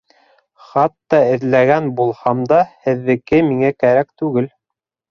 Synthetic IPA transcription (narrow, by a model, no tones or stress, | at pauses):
χɑt̪ːɑɘ̆ðlæɡænbulˠhɑmd̪ɑhɘ̆ðːɘ̆kɘmiŋækæɾækt̪ʉɡɘl